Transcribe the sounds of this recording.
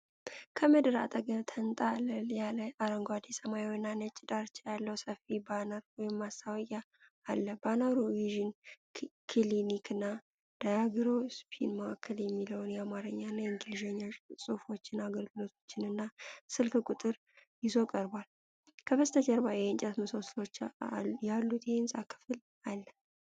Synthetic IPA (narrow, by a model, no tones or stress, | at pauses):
kʰəməd̪ɨɾa̰t̪ʼəɡəβt̪ʰənt̪ʼaləjaləʔaɾəŋɡʷad̪isəmajwnːanət͡ʃʼːɪd̪aɾt͡ʃlalːəwsəfibanaɾwɔjɪmːasawəjaː | lːəbanaɾuwiʒin | kʰilinikʰɨnːa | d̪̥ajaɡɨɾospʰḭnməakʰːəljɛmːiləwnjɛamaɾəɲːanːajɛŋɡɨlʒeɲːasʼɨfo̞t͡ʃːɪnaɡəlɡɨlo̞t̪ʰo̞t͡ʃːɪnɨnːasɨlkɨkʼut̪ʼɨɾ | jɪzo̞kʼəɾbal | kʰəbəst̪ʰət͡ʃɛɾbajɛnt͡ʃʼɛt̪mɨso̞slo̞t͡ʃːjalːut̪jhensʼakʰːɨ̥fɨl | alːə